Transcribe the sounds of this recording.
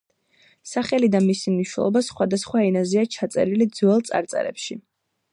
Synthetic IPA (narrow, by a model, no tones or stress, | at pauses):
saχɛlid̪amisimniʃnɛ̰lˠɔbasχwad̪asχwainaziat͡ʃʰat̪sʼɛ̰ɾilid̪zwɛlˠt̪sʼa̰ɾt̪sʼɛ̰ɾɛ̰pʃi